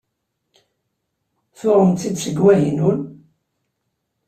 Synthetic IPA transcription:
θʊɾˤəmt̪θid̪səɡwæjənun

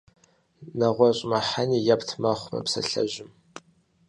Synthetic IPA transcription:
nɐʁʷɔɕʼmɐħaniːjaptʰmɐχʷmɐ̰psɐ̰ɬɐ̰ʒɪm

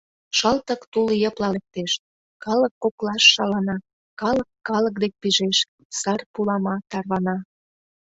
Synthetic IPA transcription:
ʃəlt̪ə̆kt̪uljəplɑlek̚t̪eʃ | kɑləkːoklɑʃːɑlɑnɑ | kɑləkːɑlək̚d̪ek̚piʒeʃ | sɑrpulɑmɑt̪ɑrβɑnɑ

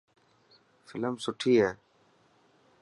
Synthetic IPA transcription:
fɪləmsʊʈʰiːɦɛː

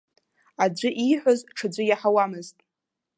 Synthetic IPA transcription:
ad͡ʒʷʊʔiħʷazʈ͡ʂʰad͡ʒʷɨjaħawamɨztʼ

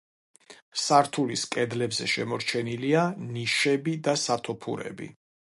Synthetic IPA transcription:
saɾt̪ʰuliskʼɛd̪lɛbzɛ̰ʃɛmɔɾt͡ʃʰɛnilianiʃɛbid̪asat̪ʰɔpʰṵɾɛ̰bḭ

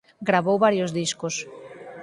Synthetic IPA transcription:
ɡɾaβowβaɾjozðiskos

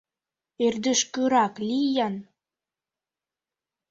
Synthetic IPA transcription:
erd̪ə̆ʃkøɾɑklʲijɑn

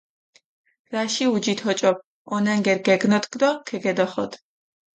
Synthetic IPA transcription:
ɾaʃiud͡ʒit̪ʰhɔt͡ʃʼɔp̚ | ɔnaŋɡɛɾɡɛɡnɔt̪ʰɡd̪ɔkʰɛɡɛd̪ɔχɔt̪ʰ

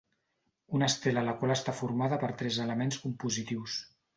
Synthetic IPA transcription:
unəst̪eləːləkwalˠəst̪afuɾmaðəpəɾt̪ɾɛzələmenskumpuzit̪iws

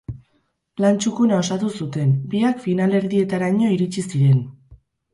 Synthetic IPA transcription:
lant͡ʃukunao̞sat̪usut̪e̞nbiakfinale̞ɾðie̞t̪aɾaɲo̞iɾit͡ʃisiɾe̞n

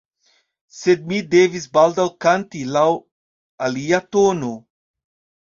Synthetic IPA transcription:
sed̪̚mid̪evisbald̪alkant̪ilaw | aliːat̪ono

